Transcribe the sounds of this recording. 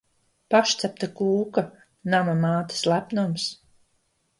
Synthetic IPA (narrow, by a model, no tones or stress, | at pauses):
paʃt̪sæp̚t̪akuːka | namamaːt̪i̥slˠæpnums